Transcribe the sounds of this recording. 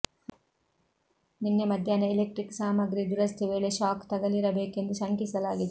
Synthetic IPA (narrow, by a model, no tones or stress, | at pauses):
ninːemɐd̪ʱjaːnɐilek̚ʈɾiksaːmɐɡɾid̪uɾɐst̪ʰeʋeːɭeʃaːkt̪ɐɡɐliɾɐbeːke̞nd̪uʃɐŋkisɐlaːɡid̪e